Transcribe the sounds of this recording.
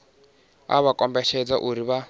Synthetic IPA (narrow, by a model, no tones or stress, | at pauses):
a̰βakʼɔmbɛʃɛd͡zaʔuɾiβa